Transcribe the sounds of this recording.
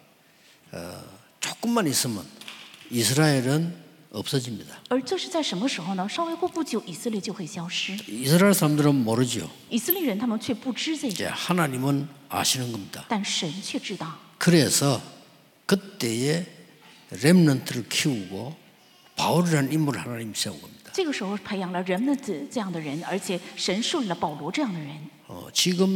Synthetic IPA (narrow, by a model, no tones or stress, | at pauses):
t͡ɕok͈ɯmːanis͈ɯmjʌ̰nisʰɯɾaeɾɯn | ʌp̚s͈ʌd͡ʑimɲidaʌɭt͡ɕoɕit͡ɕajʂɯŋɯʂɯɦʌnaʂawekopud͡ʑioʔisʰɯlet͡ɕokʰesawɕiisʰɯɾaeɭsʰaɾamdɯɾʌnmoɾɯd͡ʑio̰ | isʰɯliɾent̪ʰamɯt͡ɕʰwep͈uʈ͡ʂɻɯseḛhanaɲimɯna̰ɕʰinɯnɡʌmɲid̥at̪anʂənt͡ɕʰɥɛʈ͡ʂɻ̩t̪ɑʊkɯɾesʰʌ | kɯt̪͈e̞e | ɾemnantʰɯɾɯɭkʰiuɡo | pauɾiɾanɯnimːunɯɭhanaɲimɕeao̰ɡʌmɲid̥̪ḁʈ͡ʂɤɡəʂɻ̩xoʊpʰeɪjɑŋləɻənmənʈ͡ʂɤjɑŋd̪əɻənə̰˞t͡ɕʰjɛʂənʂuliləpɑʊlwɔʈ͡ʂɤjɑŋd̪əɻən | ʌ̰t͡ɕiɡɯm